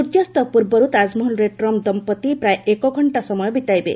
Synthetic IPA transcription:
ud̪jɔst̪ɔpuɾbɔɾut̪azmuɦunɾeʈɾɔmd̪ɔmpɔt̪ipɾajekɔɡʱɔɳʈasɔmɔjɔbit̪ajbḛ

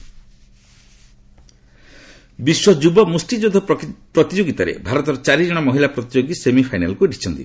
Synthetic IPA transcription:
biswɔd͡ʒubɔmusʈid͡ʒud̪ʱɔpɾɔt̪id͡ʒoɡit̪aɾḛbʱaɾɔt̪ɔɾɔt͡ʃaɾid͡ʒɔɽ̃ɔmɔɦilapɾɔt̪id͡ʒoɡisemipʰajnalkuɖʱit͡ʃʰɔnt̪ḭ

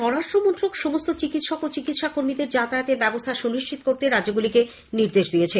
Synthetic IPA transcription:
ʃɔɾaʃʈɾomont̪ɾokʃomost̪ot͡ɕikit̪ʃɔkot͡ɕikit̪ʃakoɾmid̪eɾd͡ʑat̪aat̪ebɛbost̪ʰaʃuniʃt͡ɕʰit̪o̥koɾt̪eɾad͡ʑoɡulike | niɾd̪eʃd̪ijet͡ɕʰe

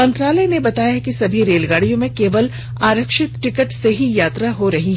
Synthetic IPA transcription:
mɐ̃nt̪ɾaːləjnebɐt̪aːjaɦkisɐbʱiɾeːlɡaːɽijõmẽkeːʋəl | aːɾəkʃɪt̪ʈɪkəʈseɦijaːt̪ɾaɦoɾɐɦiɦɛ

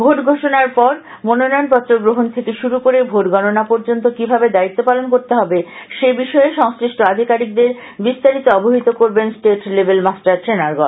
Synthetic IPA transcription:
bʱoʈɡʱoʃonaɾpɔɾ | mononɔnpɔt̪ːɾoɡɾoɦont̪ʰekeʃuɾukoɾebʱoʈɡɔnonapoɾd͡ʑont̪okibʱabed̪ait̪ːopalonkoɾt̪eɦɔbeʃebiʃɔeʃɔŋsɾiʃʈoad̪ʱikaɾik̚d̪eɾ | bist̪aɾit̪oɔbʱoɦit̪okoɾbensʈeʈlebelmasʈaɾʃɾenaɾɡɔ

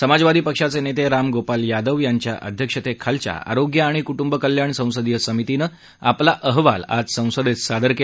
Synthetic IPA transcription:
səmad͡zʋad̪ʱiːpəkʂat͡senet̪eɾamɡopaljad̪əʋjaɲt͡ɕja̰ʔə̰d̪ʱjəkʂət̪ekʰalt͡ɕja̰a̰ɾoɡjəaɽ̃ikuʈumbəkəljaɳsə̃w̃səd̪jəsəmit̪inə | aplaʔəɦʋa̰la̰d͡zsə̃w̃səd̪et̪sad̪əɾke

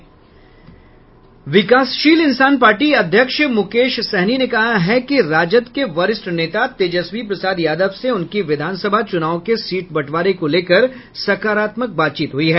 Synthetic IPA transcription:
ʋɪkaːsʃiːlɪnsaːnpaːɾʈiɐd̪ʱjəkʃmʊkeːʃsɛɦninekɐɦaɦɛkiɾaːd͡ʒət̪keʋɐɾɪsʈɾneːt̪at̪eːd͡ʒəswipɾɐsaːd̪jaːd̪əʋseʊnkiʋɪd̪ʱaːnsəbʱat͡ʃʊnaːʋõkesiːʈbɐʈʰʋaːɾekoleːkəɾ | sɐkaːɾaːt̪mək̚baːt̪̚t͡ʃiːt̪ɦʊiɦɛː

